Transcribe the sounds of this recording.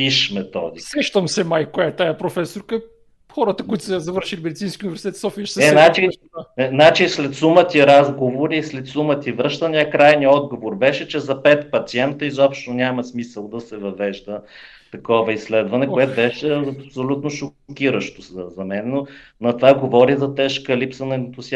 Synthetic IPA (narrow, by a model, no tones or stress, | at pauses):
piʃmɛt̪ɔ̰d̪iɛʃt̪əmsɛmajkoɛɛt̪ajɐpɾofɛsoɾkə | xɔɾət̪əkʊit̪ʊ̥sɛzɐvəɾʃilʲimɛd̪it̪inskʲiuʊnivɛɾsi̥t̪ɛt̪sɔfiəʃsɛɛnat͡ʃi | ɛnat͡ʃislɛt̪sumət̪ʲiɾazɡovoɾiːslɛt̪sumət̪ivɾɤʃt̪ənijəkɾajniɔd̪ɡovoɾbɛʃɛt͡ʃɛzɐpɛt̪pɐt̪siɛnt̪əizɔpʃt̪onʲamɐsmisəlˠd̪ɐsɛvɐvɛʒd̪ə | t̪ɐkɔvəislɛd̪vɐnɛkoɛt̪bɛʃɛpsolʲut̪noʃo | kiɾəʃt̪osəzɐmɛnɛno | nɐt̪ovaɡovɔɾizɐt̪ɛʃkəlipsənɐnt̪os